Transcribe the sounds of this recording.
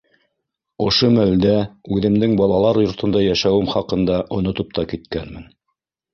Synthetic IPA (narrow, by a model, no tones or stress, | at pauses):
ŏʃomæld̪æʉðɘ̆md̪ɘŋbɑlˠɑlˠɑɾjŏɾt̪ŏnd̪ɑjæʃæwɘmχɑqɤ̆nd̪ɑʔŏnŏt̪op̚t̪ɑkit̪kænmɘn